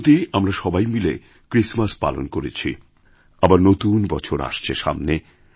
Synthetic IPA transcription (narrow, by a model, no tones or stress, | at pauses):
t̪iamɾaʃɔbajmile | kɾismaspa̰lo̰nkoɾet͡ɕʰḭ | abaɾnot̪unbɔt͡ɕʰoɾa̰ʃt͡ɕʰḛʃa̰mne